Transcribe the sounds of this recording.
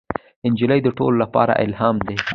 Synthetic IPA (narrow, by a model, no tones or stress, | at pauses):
ɪnd͡ʒɪləjd̪əʈo̰lolapɑ̰ɾa̰ʔɪ̰lɦɑmd̪e